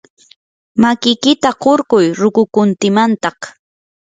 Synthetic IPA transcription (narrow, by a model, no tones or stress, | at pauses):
makɪjkɪt̪aɢoɾkʊjɾʊkʊkʊnt̪ɪmant̪ɑχ